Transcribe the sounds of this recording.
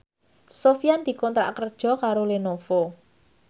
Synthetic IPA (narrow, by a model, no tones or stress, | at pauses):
sofijand̪̥i̤kɔnt̪ɾa̰ʔkərd̥ʒ̥ɔ̤kaɾolenofo